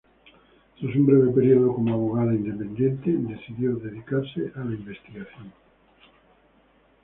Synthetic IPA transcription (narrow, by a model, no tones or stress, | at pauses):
t̪osumbɾeβ̞epeɾioðokomoaβ̞oɣ̞aðaind̪epẽnd̪jent̪ed̪eθiðjoðeðikaɾseʔalaimbest̪iɣaθjoŋ